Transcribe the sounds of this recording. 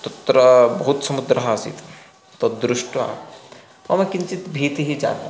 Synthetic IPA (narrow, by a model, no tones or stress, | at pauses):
t̪ɐt̪ːɾɐbɐɦut̪sɐmud̪ɾɐɦaːsḭt̪ | t̪ɐd̪ɾʊʃʈa̰ | ʋɐmekɪnt͡ʃit̪bʱiːt̪ɦid͡ʒa̰ːt̪a